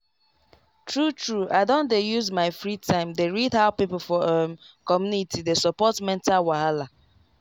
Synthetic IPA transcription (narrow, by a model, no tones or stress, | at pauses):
tɹutʰɹuaɪdõndejuzmaɪfɹitʰãɪ̃mdeɹidhaʊpipl̩fɔɛm | kɔmjunitʰidesɔpɔtmɛ̃ntawaala